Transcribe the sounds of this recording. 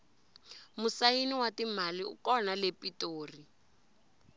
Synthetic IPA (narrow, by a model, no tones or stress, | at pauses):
musainiwatimaliṵkɔnalepitoːri